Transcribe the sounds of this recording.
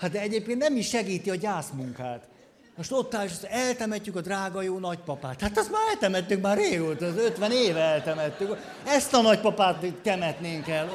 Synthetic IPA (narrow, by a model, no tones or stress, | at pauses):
hat̪̚d̪ɛɛɟeːp̚keːnt̪nɛmiʃʃɛɡiːt̪iɒɟaːsmuŋkaːt̪ | moʃt̪o̞t̪ːaːliʃɔst̪oɛlt̪ɛmɛcːykɒd̪raːɡɒjoːnɒcpɒpaːt̪haːt̪ɛst̪maːɾɛlt̪ɛmɛt̪ːykmaːreːɡoːt̪ɒzøt̪ʋɛneːvɛɛlt̪ɛmɛt̪ːyk | ɛst̪ɒnɒc̚pɒpaːt̪t̪ɛmɛt̪neːŋkɛl